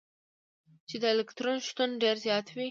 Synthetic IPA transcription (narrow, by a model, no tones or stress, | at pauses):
t͡ʃed̪əɪlɪkt̪ɾonʃt̪unɖeɾzjɑt̪wi